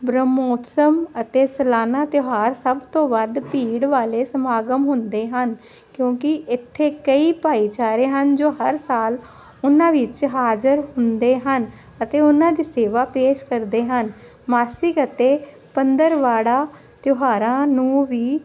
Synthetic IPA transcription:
bɾəmoːt̪səmət̪eːsəlaːnaːt̪joɦaːɾsəbt̪õːʋəd̪piːɽʋaːleːsəmaːɡəmɦʊnd̪eːɦən | kjõːkɪʔɪt̪ʰːeːkəiːpaːiːt͡ʃaːɾeːɦənd͡ʒoːɦəɾsaːl | ʊnãːʋɪt͡ʃɦaːd͡ʒəɾhʊnd̪eːɦən | ət̪eːʊnãːd̪iːseːʋaːpeːʃkəɾd̪eːɦən | maːsɪkət̪eː | pənd̪əɾʋaːɽaː | t̪jɦaːɾãːnũːʋiː

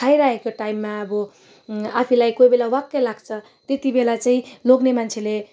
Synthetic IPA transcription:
ajɾaɦekoʈaimːaʌbʌ | apʰilajkojbelawakːelaɡt͡sʰʌ | t̪et̪ibelat͡saĩloɡnemant͡sʰele

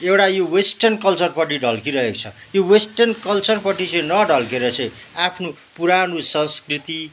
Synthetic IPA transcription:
ewʈajowesʈʌrnkʌlt͡sʌrpʌʈiɖʱʌlkiɾʌɦeko̥t͡sʰʌjowesʈʌrnkʌlt͡sʌrpʌʈit͡sʌ̃jnʌɖʱʌlkeɾʌt͡sʰʌ̃japʰno | puɾanusʌnskrit̪i

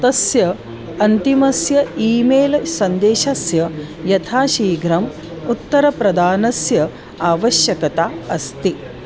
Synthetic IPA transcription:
t̪ɐsjɐ | ɐnt̪imɐsjɐiːmeːlɐsɐnd̪eːʃɐsjɐjɐt̪ʰaːʃiːɡɾɐm | ut̪ːɐɾɐpɾɐd̪aːnɐsjɐ | aːʋɐʃjɐkɐt̪aːɐst̪i

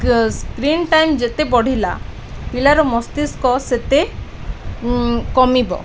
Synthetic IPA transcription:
skɾinʈajmd͡ʒet̪ebɔɽ̤ʱila̰ | pilaɾɔmɔst̪iskɔset̪e | kɔmibɔ̰

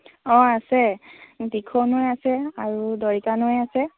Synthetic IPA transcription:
ɔasɛdikʰonʊɛjasɛaɹudɔɹikanʊjasɛ

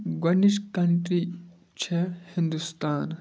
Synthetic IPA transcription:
ɡɐniʃkɐɳʈɾi | t͡ʃʰehind̪ust̪aːn

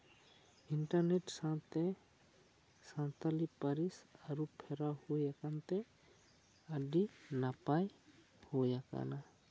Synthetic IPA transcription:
iɳʈəɾneʈsãt̪e | sãt̪alipəɾisəɾupʰeɾahujakant̪e | əɖinapaj | hojaka̰na

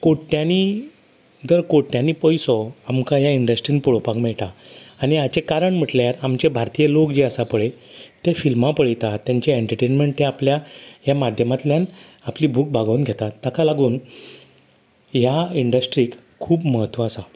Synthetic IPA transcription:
koʈːjãni | d͡zəɾkoʈːjãniːpəjsɔamkajaiɳɖəsʈɾiːnpuɭopakmɛɭʈaañiat͡ɕekaɾəɳm̤əʈljaɾamt͡ɕebʱaɾt̪ijəlokd͡ʑeəsapəɭet̪efilmapəɭit̪at̪ːjaɲt͡ɕeeɳʈəɾʈenmeɳʈt̪ẽapljajamad̪ʱjəmat̪ljãn | apliːbʱuːk̚bʱaɡaunɡʱet̪aːakalaɡuːn | jaiɳɖəsʈɾiːk | kʰːuːpməɦət̪ʋaːsa

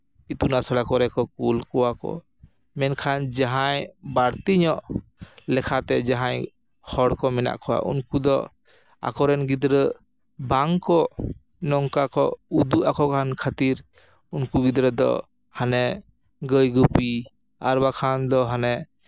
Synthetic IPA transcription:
it̪unasəɽakɔɾɛkɔkulkɔwakɔ̰ | mɛnkʰand͡ʒaɦajbaɽt̪iɲɔʔlɛkʰat̪ɛd͡ʒaɦaj | hɔɽkɔmɛna̰ʔkʰɔwa̰ʔṵnkud̪ɔ | a̰kɔɾɛnɡid̪ɾə | baŋkɔ | nɔŋkakɔud̪uʔakɔkʰankʰat̪iɾ | unkuɡid̪ɾəd̪ɔ̰ | hanɛ | ɡəjɡupi | aɾbakʰand̪ɔɦanɛ

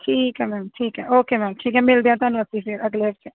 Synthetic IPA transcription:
ʈʰiːkɦɛmɛːmʈʰiːkɦɛʔoːkemɛːmʈʰiːkɦɛmɪld̪ijãt̪ɐnʋɐsifiɾɐɡleʋt͡ʃʰe

